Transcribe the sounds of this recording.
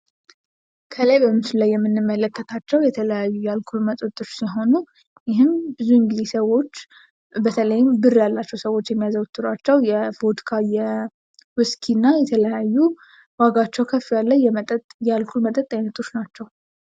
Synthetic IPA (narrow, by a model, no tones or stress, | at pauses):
kʰələjbəmɨsɨlːajːɛmːɨnːɨmːələkːət̪ʰat͡ʃːɛwjɛt̪ʰələjajːujalkʰulmət̪ʼot̪ʼːoɾːsiɦo̞nu | jɪɦɨnbɨzuɨŋɡɨd̪esəwo̞t͡ʃː | bət̪ʰələjɪmbɨrːjalːat͡ʃːɛwsəwo̞t͡ʃːjɛmːijazəwt̪ʰːɨɾat͡ʃːɛwjɛfot̪kʰajɛ | wɨskʰinːajɛt̪ʰələjajːu | waɡat͡ʃːɛwkʰəfːijalːəɛmət̪ʼt̪jalkʰulmət̪ʼət̪ʼːajnət̪ʰo̞t͡ʃːnat͡ʃːɛw